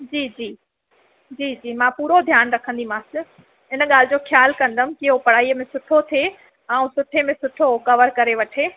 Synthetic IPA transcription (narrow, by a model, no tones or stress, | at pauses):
d͡ʑiːd͡ʑiː | d͡ʑiːd͡ʑiːmãpuːɾod̪ʱjaːnɾɐkʰə̃nd̪imãːsɪ | ɦɪnə̆ɠaːl̤ɪd͡ʑoːxjaːlkɐ̃nd̪əmɪ̆kiɦopɐɽ̤aːiːəmẽsʊʈʰot̪ʰe | ãːũsʊʈʰemẽsʊʈʰokɐʋəɾkɐɾeʋɐʈʰeː